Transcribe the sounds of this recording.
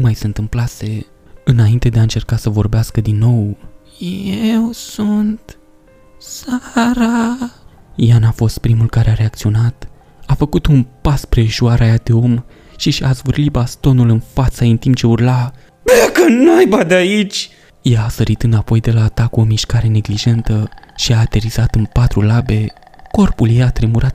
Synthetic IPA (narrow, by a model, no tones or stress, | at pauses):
umajsent̪ɨmplase̞ | ɨnaint̪e̞d̪e̞aɨnt͡ʃe̞rkasəvo̞rbeaskəd̪inːo̞w | jjewsunt̪ | saɾa | janafo̞st̪̚pɾimulkaɾeaɾe̞ak̚t̪sio̞nat̪ | afəkut̪unpaspɾeːʃuaɾajad̪e̞o̞m | ʃiʃazvɨrlibast̪o̞nulɨnfat̪saɨnt̪imp̚t͡ʃe̞urla | bakənuajbad̪eait͡ʃʲ | jaːsəɾit̪ɨnd̪apo̞jd̪e̞laːt̪akuo̞miʃkaɾe̞ne̞ɡliʒe̞nt̪əʃiaːt̪e̞ɾiz̥at̪ɨnpat̪ɾulabe̞ | ko̞rpuljejat̪ɾemuɾat̪̚